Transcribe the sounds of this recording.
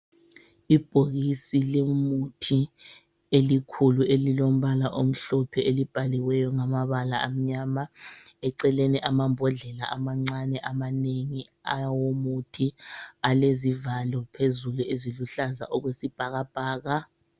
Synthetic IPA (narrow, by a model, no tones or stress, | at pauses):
ib̥ʱoɣisilemutʰi | elikʰuluelilom̩βalaʔom̩ɬɔpʰɛelib̥ʱalɛwɛjɔŋamaβalaam̩ɲamaɛǀɛleniʔamambʱɔɮɛla̰ʔa̰maŋ͡ǀanɛʔamaneŋi | awomutʰialezivalɔpʰezulueziluɬaza̰ʔɔɣwesib̥ʱaɣab̥ʱaːɣa